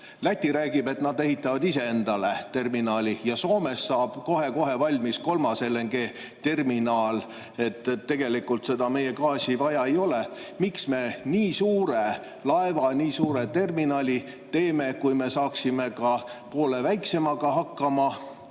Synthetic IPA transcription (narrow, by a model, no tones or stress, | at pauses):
læt̪ʲːiɾæːɡib̥e̞t̪nɑd̪e̞ɦit̪ːˑɑvɑd̪ise̞e̞nd̪̥ɑle̞t̪e̞rminɑːlʲijɑso̞ːme̞sːɑːb̥ko̞ɦe̞ko̞ɦe̞vɑlʲmisko̞lmɑselːeŋɡe̞ː | t̪e̞rminɑːl | e̞t̪ːˑt̪ːe̞ɡ̥e̞likult̪se̞d̪̥ɑme̞je̞kɑːsivɑjɑe̞jo̞le̞miksme̞niːsuːɾe | lɑevɑniːsuːɾet̪e̞rminɑːlʲi | t̪e̞ːme̞kujme̞sɑːksime̞kɑpo̞ːlevæjksemɑɡ̥ɑɦɑkːˑɑmɑ